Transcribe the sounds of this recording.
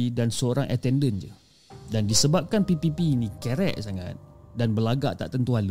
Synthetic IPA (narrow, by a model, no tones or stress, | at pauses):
dansəoɾaŋʔa̰t̪ɛndənd͡ʒə̰ | dandisəbap̚kanpipipinikɛɾɛ̰ʔsaŋa̰t̪̚danbəlaɡa̰ʔt̪a̰ʔt̪ənt̪uɦal